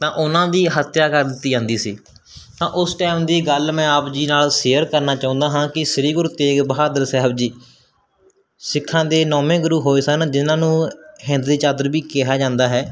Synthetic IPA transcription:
t̪ãːʔʊnãːd̪iːɦət̪jaːkəɾd̪ɪt̪ːiːd͡ʒãːnd̪iːsḭː | t̪ãːʔʊsʈɛːmd̪iːɡəlmɛ̃ːəpd͡ʒiːnaːlseːəɾkəɾnaːt͡ʃãːʊ̃ːnd̪aːɦãːkɪsəɾiːɡʊɾt̪eːɡbəɦaːd̪əɾsɛːɦəbd͡ʒiː | sɪkʰːãːd̪eːnɔːmẽːɡʊɾuːɦoːeːsənd͡ʒɪnãːnũːɦɪ̃nd̪d̪iːt͡ʃaːd̪əɾbiːkɛɦaːd͡ʒãːnd̪aːɦɛː

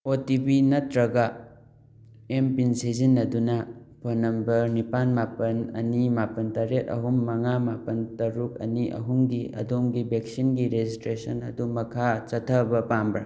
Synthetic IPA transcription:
otibinɐtɾɐɡa | empinsizinːɐdunɐpʰonɐmbɐɾnipanmapɐnɐ̰nimapɐntaɾet̚ɐ̰ɦumːɐŋamapɐntɐɾuk̚ɐ̰niʔɐ̰ɦumɡiɐ̰domɡibek̚sinɡiɾezistɾesɐnɐ̰dumɐkʰat͡ʃɐtʰɐbɐpambɾɐ̰

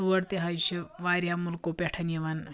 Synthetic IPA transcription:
uʋəɽt̪eɦajɕeʋaɾjamulkopɛʈʰaneʋan

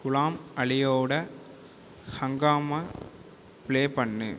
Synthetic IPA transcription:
kʊɭaːmɐɭɪjoːɽɐ | hɐŋɡaːmɐ | pɪɭeːpɐɳːɯ̰

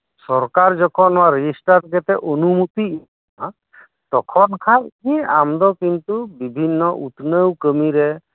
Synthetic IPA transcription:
sɔɾkaɾd͡ʒɔkʰɔnwaɾed͡ʒisʈaɾɡɛt̪ɛʔonumut̪i | a | t̪ɔkʰɔnkʰaliamd̪ɔkint̪ubibʱinːɔʔut̪nəwkəmiɾɛ

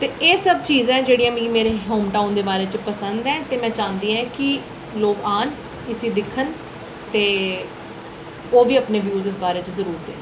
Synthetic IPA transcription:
t̪eːʔeːsəbt͡ʃiːzɛ̃ːd͡ʒeːɽiːãːmĩːmeːɾeːɦoːmʈaːnd̪eːbaːɾeːt͡ʃəpəsənd̪ɛ̃ːt̪eːmɛ̃ːt͡ʃãːnd̪iːɛ̃ːkɪ | loːkaːn | ɪsiːd̪ɪkʰːən | t̪eː | oːʋiːəpneːʋjuːzɪs̬baːɾeːt͡ʃəzəɾuːɾt̪ɛ̰ː

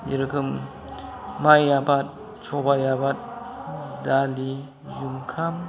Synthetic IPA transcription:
jḭɾɯkʰɯmː | ajabat̚ | sʰɔbajabat̚ | dali | zumkʰam

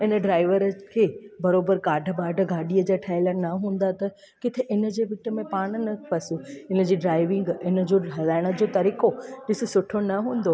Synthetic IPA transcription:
ɪnə̆ɖɾaːɪʋəɾəkʰeːbɐɾoːbəɾkaːɖʱə̆baːɖʱə̆ɡaːɗiəd͡ʑaʈʰaːɪlənɐɦũːn̆d̪at̪ɐ | kɪt̪ʰeʔɪnə̆d͡ʑeːʋɪʈə̆mẽpaːɽ̃nɐpʰɐsuɪnə̆d͡ʑiːɖɾaːɪʋɪ̃ŋɡɪnəd͡ʑoɦɐlaːɪɽ̃ə̆d͡ʑoːt̪ɐɾiːkoɗɪsɪsʊʈʰonɐɦũːn̆d̪o

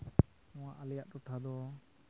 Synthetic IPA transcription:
ɔ̃waʔalɛjaʔɾɔʈʰad̪ɔ

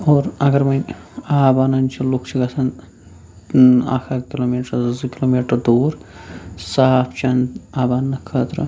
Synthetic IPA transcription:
oːɾɐɡɐɾmɐjaːbanɐnt͡ʃʰilukʰt͡ʃʰiɡɐsʰɐn | a̰ːkʰakiloːmiːʈɐzkiloːmiːʈɐɾd̪uːɾ | saːpʰt͡ʃɐnaːbaːnːɐkʰɐːt̪ɾɨ

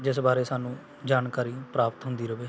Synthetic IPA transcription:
d͡ʒɪsbaːɾeːsaːnũː | d͡ʒaːnkaːɾiːpɾaːpət̪ɦʊ̃nd̪iːɾəʋeː

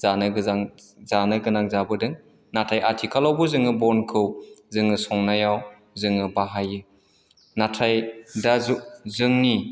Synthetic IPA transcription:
zana | zanɯɡɯnaŋzabɯdɯŋ | natʰajatʰikʰalawbuzɯŋɯbɔnkʰɯwzɯŋɯsɔŋnajaw | zɯŋɯbaɦajɯ | natʰajdazuzɯŋni

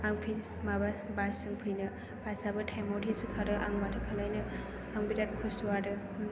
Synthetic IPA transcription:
aŋpʰil | mababasɯŋpʰɯjnɯ | basabɯtʰajmotʰisɯkʰaɾɯʔa̰ŋmatʰɯkʰalajnɯ | aŋbiɾat̚kʰustuwadɯ

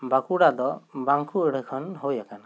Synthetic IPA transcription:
bakuɽad̪ɔbaŋkʰuəɽ̤kʰɔnɦɔjakana

